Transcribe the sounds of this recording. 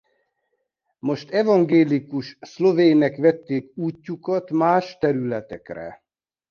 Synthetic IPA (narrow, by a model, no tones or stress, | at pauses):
mo̞ʃt̪ɛvɒŋɡeːlikuʃslo̞veːnɛkʋɛt̪ːeːkuːcːukɒt̪maːʃt̪ɛɾylɛt̪ɛkrɛ̰